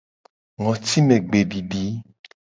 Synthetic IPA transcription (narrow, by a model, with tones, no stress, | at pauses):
ŋɔ̃˨t̪i˦mẽ˨ɡ͡be˨ɖi˨ɖi˨˦